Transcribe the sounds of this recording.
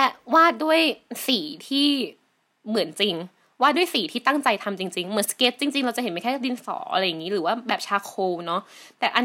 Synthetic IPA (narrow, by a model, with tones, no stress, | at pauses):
lɛ˦˥waː˥˩t̪̚du˥˩əjsiː˩˦t̪ʰiː˥˩ | mɯ˨˩˦ənt͡ɕi˧ŋ | waː˥˩du˥˩jsiː˨˩˦t̪ʰiː˥˩t̪a˥˩ŋt͡ɕa˧jt̪ʰa˧mt͡ɕi˧ŋt͡ɕi˧ŋm˨˩˦nske˦˥t̪̚t͡ɕi˧ŋt͡ɕi˧ŋɾa˧wt͡ɕa˨ʔɦe˩˦mː˧˥˩kʰɛ˥˩˥di˧nsɔ̰ː˩˦ʔa̰˧ɾa˧ja˨˩ŋːiː˦˥ɾɯː˩˦waː˥˩bɛː˨˩p̚t͡ɕʰaː˧kʰoː˧nɔ˦˥ʔ | t̪ɛː˨˩ʔa˧